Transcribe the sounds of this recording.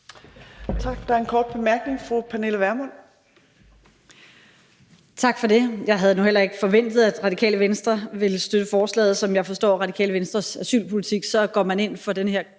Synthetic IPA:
t͡sʰɑ̈ɡ̥d̥ɑ̈æɐenkʰɒːd̥̚b̥e̝mæɐɡ̥ne̝ŋfʁupʰæne̝ləʋæɐmɔn | t͡sʰɑ̈ɡ̥fɒ̽de̝jɑ̈ɪɦæð̞̩ˠnuhel̰ɐe̝ɡ̥əfɒ̽ʋen̰d̥ð̞̩ˠæd̥ʁɑ̈dikʰɛ̰ːləʋensd̥ʁɐʋe̝lsd̥ød̥əfɒːslɛ̰ːð̞̩ˠsɒ̽mjɑ̈ɪfɒ̽sd̥ɒ̰ːʁɑ̈d̥ikʰɛ̰ːləʋensd̥ʁɐsæsy̰ːlpʰolit͡sʰiɡ̥sɒ̽ɡ̥ɒ̰ːmæne̝n̰fɒ̽d̥enəheɐ

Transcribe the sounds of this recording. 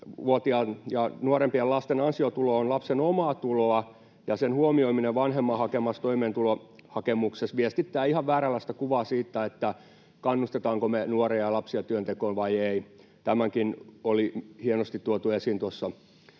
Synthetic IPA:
uot̪iɑjɑnuorempiɑlɑst̪enɑnsiot̪uloonlɑpsenomɑːt̪uloɑ | jɑsenhuomioimineʋʋɑnhemːɑhɑkemːɑst̪oimeːnt̪ulohɑkemuksesʋiest̪it̪ːæːihɑʋʋæːrælæst̪ækuʋɑːsiːt̪ːæet̪ːæ | kɑnːust̪et̪ɑːŋkomenuorejjɑlɑpsiɑt̪yønt̪ekoːnʋɑijei | t̪æmæŋkinolihienost̪it̪tuot̪uesint̪uosːɑ

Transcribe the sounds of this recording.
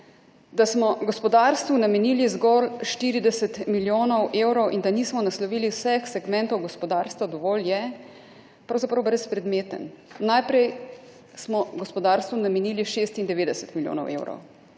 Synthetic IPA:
d̪asmɔɡɔspɔd̪aɾst̪ʋunamɛniːlizɡɔlʃt̪iːɾid̪ɛsɛt̪miljoːnɔwʔewɾɔwʔind̪aniːsmɔnaslɔʋiːliwsɛxsɛɡmɛ̃nt̪ɔwɡɔspɔd̪aːɾst̪ʋad̪ɔʋɔːljɛ | pɾawzapɾɐwbɾɛspɾɛd̪meːt̪ə̰nnajpɾɛj | smɔɡɔspɔd̪aɾst̪ʋunamɛniːliʃeːst̪ind̪ɛʋeːd̪ɛsə̥t̪miljo̰ːnɔ̰wʔḛwɾɔ̰w

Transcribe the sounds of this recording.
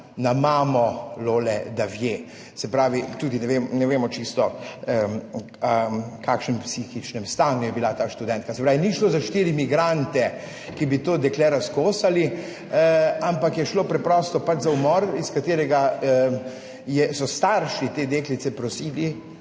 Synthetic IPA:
namaːmɔloːlɛd̪aʋje | sɛpɾaːʋit̪uːd̪inɛʋemnɛʋeːmɔt͡ʃist̪ɔ | kaːkʃnɛmpsixit͡ʃnɛmst̪aːnujɛbilat̪aːʃt̪ud̪ɛnt̪̚kasɛpɾaːʋiniʃlozaʃt̪iːɾimiɡɾant̪ɛ | kibit̪oːd̪ɛklɛɾaskoːsali | ampakjɛʃloːpɾɛpɾɔːst̪ɔpat͡ʃzaumɔɾiskat̪eːɾɛɡa | jɛsɔst̪aɾʃit̪eːd̪eːklit̪sɛpɾɔsiːli

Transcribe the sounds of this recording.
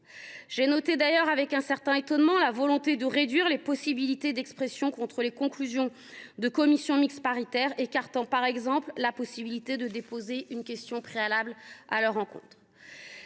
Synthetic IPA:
ʒenɔt̪ed̪ajœʁavɛkɛ̃sɛʁt̪ɛ̃et̪ɔnmɑ̃lavɔlɔ̃t̪ed̪əʁed̪ɥiʁlepɔsibilit̪ed̪ɛkspχɛsjɔ̃kɔ̃t̪χəlekɔ̃klyzjɔ̃ | d̪əkɔmisjɔ̃mikspaʁit̪ɛʁekaʁt̪ɑ̃paʁɛɡzɑ̃pllapɔsibilit̪ed̪əd̪epozeʔynkʲɛst̪jɔ̃pχealabla̰lœʁːɑ̃kɔ̰̃t̪χ

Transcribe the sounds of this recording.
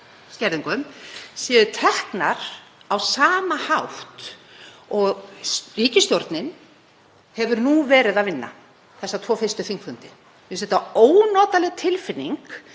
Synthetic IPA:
scɛɾðɪŋkɔʏmsɛːðʏt̪ʰɛhknaɾ̥awsaːmahawht̪ | ɔɣriːcɪst̪jowɾt̪nɪn | hɛvʏɾnuvɛːɾɪðaðvɪnːa̰ | θɛsːat̪ʰvɔːfɪrst̪ʏθiŋkfʏnt̪ɪ̥ | ɪsɛht̪aoːwnɔːt̪alɛɣt̪ʰɪlfɪnːiŋk

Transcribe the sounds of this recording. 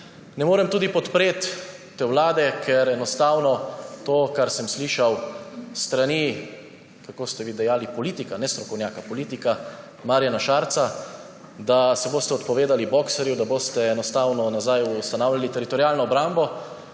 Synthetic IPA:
nɛmoːɾɛmt̪uːd̪ipɔt̪pɾeːt̪ː | ewlaːd̪ɛkʰɛɾɛnɔst̪aːwnɔt̪oːkaɾsɛmsliːʃawst̪ɾani | kakoːst̪ɛʋid̪ɛjaːlipɔliːt̪ikanɛst̪ɾɔkɔwnjaːkapɔliːt̪ika | maːɾjanaʃaːɾt̪sa | d̪asɛboːst̪ɛɔt̪pɔʋeːd̪alibɔksɛɾjud̪aboːst̪ɛːnɔst̪aːwnɔnazajust̪anaːwlʲalit̪ɛɾit̪ɔɾjaːlnɔːbɾaːmbɔ

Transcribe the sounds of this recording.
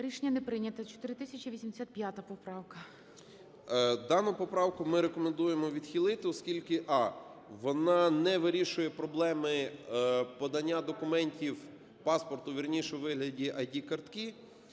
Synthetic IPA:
ɾʲiʃenʲːɐnepɾɪnʲɐt̪ɐt͡ʃɔ̥t̪ɪɾɪt̪ɪsʲɐt͡ʃʲiʋʲisʲimd̪esʲat̪̚pʲjat̪ɐpɔpɾɑwkɐ | d̪ɑnʊpɔpɾɑwkʊmɪɾekɔmend̪ujemɔʋʲid̪xʲilˠɪt̪ɪɔskʲilʲkɪʔɑʋɔnɑnɛʋɪɾʲiʃʊjɛpɾɔblˠɛmɪ | pɔd̪ɐnʲːad̪ɔkʊmɛnʲtʲiw | pɑspɔrt̪ʊʋʲirnʲiʃɛʋɪɦlʲɐdʲiʔɐdʲikɐrt̪ki

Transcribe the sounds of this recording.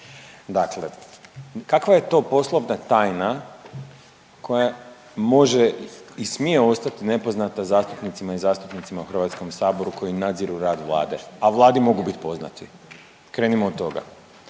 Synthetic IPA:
d̪akle̞ | kakʋaje̞t̪o̞po̞slˠoʋnat̪aːjna | kʰo̞ja | mo̞ʒeismije̞o̞st̪at̪ine̞po̞znat̪azaːst̪upnit̪simaizaːst̪upnit̪simauxr̩ʋat̪sko̞msaːbo̞ɾukʰo̞jinad̪ziɾuɾaːd̪ʋlˠa̰ːd̪e̞̰aʋlˠaːd̪imo̞ɡubit̪po̞zna̰t̪ʰi | kɾeːnimoːd̪t̪ːo̞ɡa̰

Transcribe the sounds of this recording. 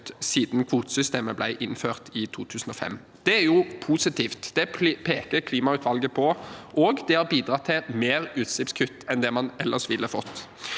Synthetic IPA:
siːd̪nkʰʋuːt̪sʏst̪eːməblæ̰ɪʔɪnːføːʁt̪ʰɪt̪ʰuːt̪ʰʉːsn̩ɔfɛ̰mː | d̪̥ɛæɾjʊpʰuːsɪt̪ʰiːft̪d̪̥ɛpʰeːkəɾkʰliːmɑʉːt̪ʰʋɑlɡəpʰɔʔoːɡd̪ɛhɑɾbiːd̪ɾɑt̪ʰːɪmeːɾʉːt̪sɪpskʰʉt̪ːɛnd̪ɛmɑnɛlːʔəʁʂʋɪlːəfɔt̪ː

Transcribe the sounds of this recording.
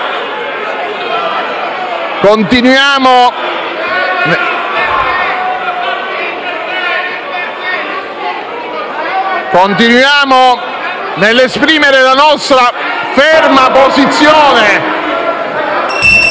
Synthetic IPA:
kont̪inwjaːmo | kont̪inwjaːmo | nelːespɾiːmeɾelanɔst̪ɾa | fɛrmapozit̪sːjoːne

